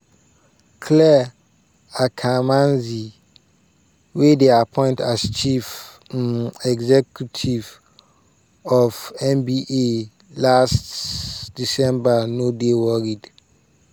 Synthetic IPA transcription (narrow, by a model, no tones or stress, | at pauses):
kʰlɛ | akʰamãnzi | wedeapʰɔ̃ɪ̃ntʰast͡ʃʰif | ɛɡzɛkʰjutʰiv | ɔvɛ̃mbiʔe | lastd̥isɛ̃mbanodewɔɹid